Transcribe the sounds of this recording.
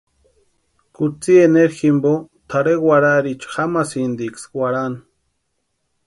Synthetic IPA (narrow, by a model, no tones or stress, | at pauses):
kut͡sieneɾximbo | t̪ʰaɾewaɾaɾit͡ʃxamasind̪ikswaɾan